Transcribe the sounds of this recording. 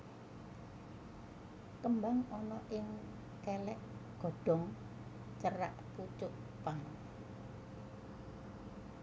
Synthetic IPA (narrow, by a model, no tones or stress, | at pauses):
kəmbaŋɔnɔʔɪŋ | kɛlɛʔɡ̥ɔ̤ɖ̥ɔ̤ŋ | t͡ʃəɾa̰ʔput͡ʃʊʔ | paŋ